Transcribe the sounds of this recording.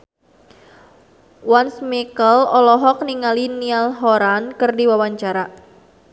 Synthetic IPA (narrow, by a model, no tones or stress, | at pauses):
wansmikəlɔlɔɦɔk̚niŋalinialɦɔɾankɨrdiwawaɲt͡ʃaɾa